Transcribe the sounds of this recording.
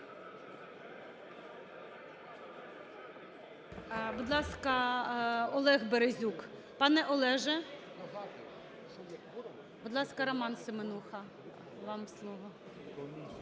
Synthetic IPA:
bud̪lˠɑskɐ | ɔlˠɛɣbeɾezʲuk | pɑnɛʔɔlˠɛʒɛ | bud̪lˠɑskɐɾɔmɑnsɪmenuxɐ | ʋɑmslˠɔʋɔ

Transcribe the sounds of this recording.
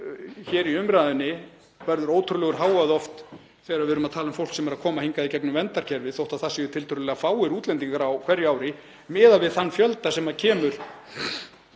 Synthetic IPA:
çɛːɾiʏmɾaːðɪnːɪ | vɛɾðʏɾoːwt̪ʰʏɾʏlɛːɣʏɾ̥ɦaːwaðɔft̪ | θɛːɣɾaðvɪɾʏmaðt̪ʰaːlʏmfowlksɛmɛɾaðkʰɔːmahiŋkaðicʰɛknʏmvɛnt̪aɾ̥cʰɛɾvɪθowht̪aθasɪʏt̪ʰɪlt̪ʰʏɾʏlɛːɣafaːwɪɾuːt̪lɛnt̪iŋkaɾawkʰv̥ɛɾjʏaːwɾɪ | mɛːðavɪðθanːfjœlt̪asɛmacʰɛːmʏɾ̥

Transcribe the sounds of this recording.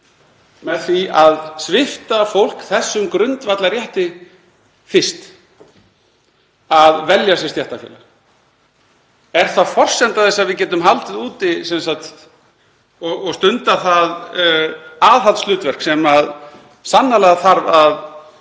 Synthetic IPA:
mɛðθviaðsvɪft̪afowl̥kθɛsːʏmkɾʏnt̪vat̪laɾjɛht̪ɪ | fɪr̥st̪ | aðvɛljasjɛst̪jɛht̪afjɛ̰la̰ | ɛɾ̥θafɔr̥sɛnt̪aðθɛsːaðvɪðcɛːt̪ʏmɦalt̪ɪðuːt̪ɪsɛnsat̪ | ɔɔɣst̪ʏnt̪aθað | aːðɦalt̪st̪ʏːt̪vɛr̥ksɛmað | sanːalɛɣaθaɾvað

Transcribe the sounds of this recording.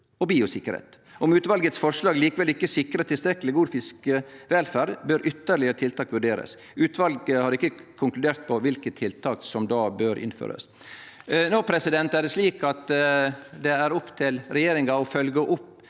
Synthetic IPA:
ɔbiːʊsɪkːəɾhḛːt̪ | ʔɔmʉːt̪ʋɑlɡət̪sfɔʂɭɑːɡliːkəʋɛlɪkːəsɪkɾət̪ɪlst̪ɾɛkːəlɪɡuːd̪fɪskəʋɛlfæːɾɖbøːɾʔʏt̪ːəɭɪəɾət̪ʰɪlt̪ʰɑːkʋʉɖeːɾə̰s | ʉːt̪ʋɑlɡəhɑɾɪkːəkʰʊŋklʉd̪eːɾt̪̚pʰɔʋɪlkət̪ʰːɪlt̪ʰɑːksɔmd̪ɑːbøːɾʔɪ̰nfø̰ːɾə̰s | nɔpʰɾɛsɪd̪ɛnt̪æɖɛsliːkɑt̪ | d̪ɛæɾʊpt̪ʰɪlɾɛjeːɾɪŋɑɔfœlɡəʔʊpː

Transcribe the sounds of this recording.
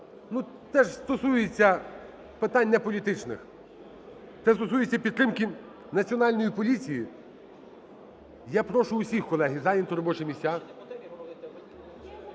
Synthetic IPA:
nu | t̪ɛʒst̪ɔsujet͡sʲːɐ | pɪt̪ɑnʲːɐpɔlʲit̪ɪt͡ʃnɪ̰x | t̪ɛst̪ɔsujet͡sʲːɐpʲid̪t̪ɾɪmkʲi | nɐt͡sʲiɔnɑlʲnɔjipɔlʲit͡sʲiji | japɾɔʃʊːsʲixkɔlˠɛɦizɑjint̪ɔɾɔbɔt͡ʃɪmʲisʲtʲa

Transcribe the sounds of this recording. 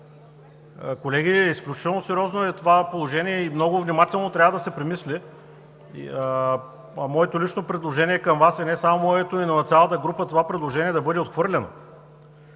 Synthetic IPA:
kolɛɡʲiisklʲut͡ʃi̥t̪ɛlˠnosɛɾjɔznoɛt̪ovapolˠoʒɛniɛimnɔɡʊvnʲimat̪ɛlˠnot̪ɾʲavəd̪ɐsɛpɾɛmislʲɛ̰ | mɔɛt̪olit͡ʃnopɾɛd̪lˠoʒɛnʲiɛkɐmvasɛnɛsamomɔjɛt̪oinɐnɐt̪sʲjalˠət̪əɡɾupət̪ovapɾɛd̪lˠoʒɛniɛd̪ɐbɤd̪ɛot̪xvɤɾlʲɛno̰

